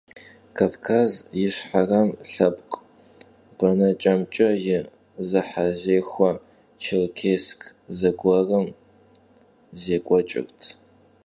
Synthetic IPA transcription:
kʰaːvkʰaːzjɪʂħarɐmɬɐpqʼ | b̥ɐnɐt͡ʃʼɐmt͡ʃʼɐjɪ | zɨħazeːxʷɐ | t͡ʃʰɪrkʰeːskʰzɐɡʷɐrɐm | zeːkʷʼɔt͡ʃʼɪ̰rtʰ

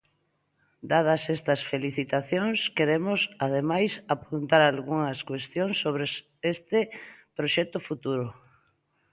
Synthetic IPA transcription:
d̪að̞ɐsest̪ɐsfeliθit̪aθjoŋskeɾemʊsað̞emajsapunt̪aɾalɣuŋɐskwest̪joŋsːoβ̞ɾes | est̪ɪpɾoʃɛt̪ʊfut̪uɾʊ

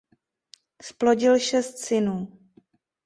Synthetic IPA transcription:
splo̞ɟɪlʃɛst̪sɪnuː

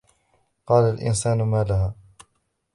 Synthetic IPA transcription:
qɑːlalʔɪ̰nsaːnʊmaːlahaː

